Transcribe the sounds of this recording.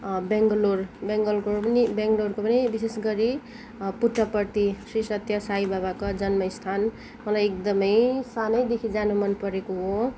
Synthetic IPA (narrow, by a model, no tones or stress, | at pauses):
beŋɡlorbeŋɡʌlkopʌnibeŋɡlorkopʌnibisesɡʌɾi | puʈːʌpʌrt̪isrisʌt̪jʌsajibabakad͡zʌnmʌist̪ʰan | mʌlajek̚d̪ʌmʌjsanʌjd̪ekʰid͡zanumʌnpʌɾekoɦo